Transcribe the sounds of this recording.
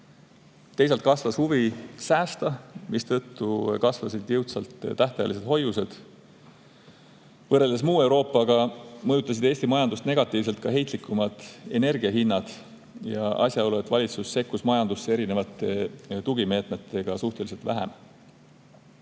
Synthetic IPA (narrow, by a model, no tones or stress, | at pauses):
t̪e̞js̬elt̪̚kɑsvɑshuvisæːst̪ɑmist̪ɤt̪ːukɑsvɑsid̪̥jɯwt̪sɑlt̪t̪æht̪ɑjɑ̰lis̬e̞d̪̥ho̞juse̞d̪̥ | vɤre̞ld̪̥esmuːe̞wɾo̞ːpːˑɑɡ̥ɑmɤjut̪ːˑɑs̬id̪̥e̞ːst̪imɑjɑnd̪ust̪ne̞ɡ̥ɑt̪ːˑiːvs̬e̞lt̪̚kɑɦe̞jt̪ˑlikːˑumɑd̪̥e̞ne̞rɡ̥iɑɦinːɑd̪̥ | jɑʔɑ̰sʲjɑolue̞t̪vɑlʲit̪susse̞kːusmɑjɑnd̪usːee̞ɾine̞vɑt̪ːˑe̞t̪uɡime̞ːt̪me̞t̪ːˑe̞ɡ̥ɑsuht̪elise̞lt̪væ̰ɦḛm